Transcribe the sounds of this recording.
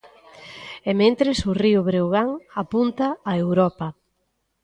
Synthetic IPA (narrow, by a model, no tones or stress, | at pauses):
emẽnt̪ɾɪsʊriʊβɾewɣaŋapunt̪ɐːewɾɔpɐ